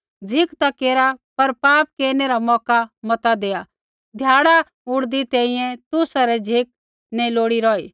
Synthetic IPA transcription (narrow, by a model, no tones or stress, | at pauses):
d͡zʱɪkt̪akeːɾapɐɾpaːp̚keːɾneɾamɔːkamɐt̪ad̪eːa | d̪ʱjaːɽa | ʊɽd̪it̪ɛ̃ːĩjɛ̃t̪ʊsaɾɛd͡zʱɪk̚ | nɛloːɽiɾɔːiː